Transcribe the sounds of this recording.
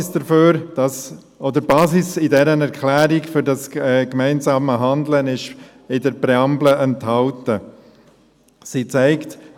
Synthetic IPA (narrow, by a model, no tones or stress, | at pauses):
sd̥əɾføːɾd̥ɑs | ɔd̪əɾbɑːzɪsɪdɛɾənɛɾkχlæːɾikfʏɾdɑsɛkmæɪnzɑːməɦɑnd̪lənɪʃ | ɪdəɾpɾɛɑmbləʔɛnthɑltə | sit͡sæɪkt